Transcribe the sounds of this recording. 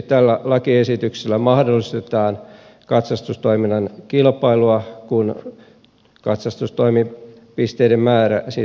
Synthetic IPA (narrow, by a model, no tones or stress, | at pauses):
tt̪ælːælɑkiesit̪ykselːæmɑhdolːˑist̪et̪ɑːn | kɑt̪sɑst̪ust̪oiminːɑnkilpɑiluɑkun | kɑt̪sɑst̪ust̪oimi | pist̪eidemmæːɾæsi